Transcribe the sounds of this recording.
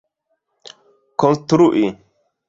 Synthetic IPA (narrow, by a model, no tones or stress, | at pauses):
kɔnt̪uɾuʔi